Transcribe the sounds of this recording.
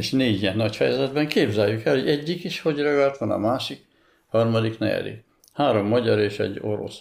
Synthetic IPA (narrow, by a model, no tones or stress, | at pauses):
eʃneːɟiɛnːɒcfɛjɛzɛd̪bɛŋkeːbzɛjːykɛlhoɟɛɟːikiʃho̞ɟrɒɡɒlt̪ʋɒnɒ̰maːʃik | hɒrmɒd̪iknɛ̰ɛ̰d̪ḭ | haːɾo̞mːɒɟɒɾeːʃɛ̰ɟːo̞ɾo̞̰s